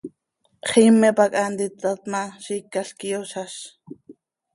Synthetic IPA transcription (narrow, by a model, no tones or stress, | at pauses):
χiːmːɛpakʼaːnd̪it͡sːat̪maʃikːaɬkijoʃaʃ